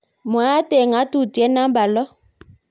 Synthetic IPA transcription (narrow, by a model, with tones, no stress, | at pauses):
mwa˦tɛ˨ŋa˦tu˦˨tjɛ˨˦na˦mba˨lɔ˦